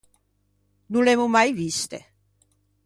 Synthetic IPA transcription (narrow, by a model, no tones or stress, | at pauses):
nulemumajvist̪e